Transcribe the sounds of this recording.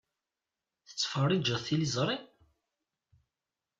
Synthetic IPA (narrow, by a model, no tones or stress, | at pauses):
θə̥t͡sːfərˤːid͡ʒəðˤθilizˤɾˤi